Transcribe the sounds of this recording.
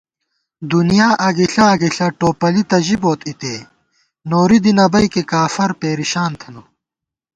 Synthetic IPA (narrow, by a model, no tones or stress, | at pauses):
d̪unijaːʔɐɡiɬɐːɡiɬɐʈoːpɐlit̪ɐʑiboːt̪ʰit̪eː | noːɾid̪inɐbɐjkekaːfɐɾpeːɾiɕaːnt̪ʰɐnu